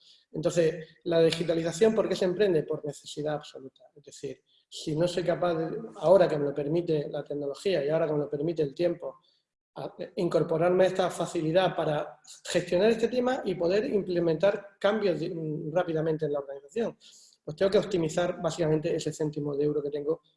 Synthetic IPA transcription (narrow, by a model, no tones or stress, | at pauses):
ent̪o̞nθe̞s | lað̞ixit̪aliθaθjompo̞ɾke̞sempɾe̞nd̪e̞po̞ɾne̞θe̞siðaːβso̞lut̪ae̞zðe̞θiɾ | sino̞so̞jkapaððeao̞ɾakemelo̞pe̞ɾmit̪e̞lat̪e̞ɡno̞lo̞xiaiao̞ɾakomelo̞pe̞ɾmit̪e̞ːlt̪je̞mpo̞ | aiŋko̞ɾpo̞ɾaɾme̞est̪afaθiliðapaɾaxe̞st̪jo̞naɾe̞st̪et̪e̞maʔipo̞ð̞e̞ɾimple̞mẽnt̪aɾkambjo̞zðrapiðamẽnt̪enlaoɾɣaniθaθjo̞ŋ | pwest̪eŋɡo̞keop̚t̪imiθaɾbasikamẽnt̪e̞ese̞θe̞nt̪imoðewɾo̞ke̞t̪e̞ŋɡo̞